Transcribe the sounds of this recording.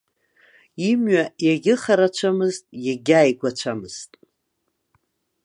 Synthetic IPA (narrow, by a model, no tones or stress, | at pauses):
imɥajaɡʲɪχaɾat͡ʃʷʰamɨztʼjaɡʲaːjɡʷat͡ʃʷʰamɨz̥tʼ